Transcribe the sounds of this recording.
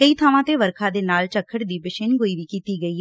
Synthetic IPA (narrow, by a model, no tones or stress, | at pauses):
kəiːt̪ʰaːʋãːt̪eːʋəɾkʰãːd̪eːnaːlt͡ʃəkʰːəʈd̪iːbɪʃɪnɡoːiːʋiːkiːt̪iːɡəiːɦ